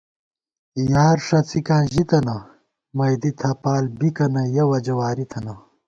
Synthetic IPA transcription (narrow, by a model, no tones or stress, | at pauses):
jaːɾʂɐt͡sikãːʑit̪ɐnɐ | mɐjd̪it̪ʰɐpaːlbikɐnɐjɐwɐd͡ʑɐwaːɾit̪ʰɐnɐ